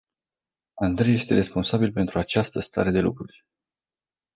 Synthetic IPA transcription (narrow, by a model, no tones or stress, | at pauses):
and̪ɾeje̞st̪e̞ɾe̞spo̞nsabilpe̞nt̪ɾuat͡ʃast̪əst̪a̰ɾe̞d̪e̞lukɾurʲ